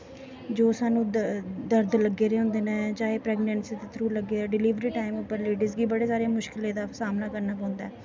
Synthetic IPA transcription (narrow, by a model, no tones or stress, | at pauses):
d͡ʒoːsaːnũːd̪əɾd̪ləɡːeːɾeːɦõːnd̪eːnẽːd͡ʒaːeːpɾɛːɡnɛ̃ːnsiːt̪et̪ʰɾuːləɡːeːaːɖɪliːʋɾiːʈaːimʊpːəɾleːɖizɡiːbəɽeːsaːɾeeaːmʊʃkɪleːd̪aːsaːmnaːkəɾnaːpɔ̃ːnd̪a̰ɛː